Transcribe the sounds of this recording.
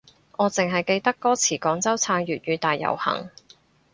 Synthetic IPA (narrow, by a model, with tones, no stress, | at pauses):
ɔː˨˧t͡sɪ˨ŋɦɐ˨jke˧jt̪ɐ˥kːɔː˥t͡sʰiː˨˩kɔː˨˥ŋt͡sɐ˥wt͡sʰaː˧ŋjɥyː˨t̚ɥyː˨˧t̪aː˨jːɐ̰˨˩whɐ̰˨˩ŋ